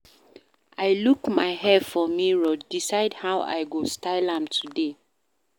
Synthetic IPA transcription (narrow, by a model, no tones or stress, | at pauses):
aɪlukmaɪhɛfɔmiɹɔdisaɪdhawa̰ɪɡostaɪlãmtʰude